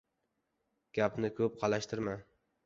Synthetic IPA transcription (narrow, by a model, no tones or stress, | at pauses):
ɡ̥ʲapnɪkʰɵp̚qʰɑlˠaʃt̪ʰɪɾma